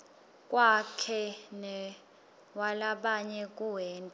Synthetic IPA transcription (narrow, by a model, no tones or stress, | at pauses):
kʼwakʰɛnɛ | walaɓaɲɛk̬ʼuwɛːntʼa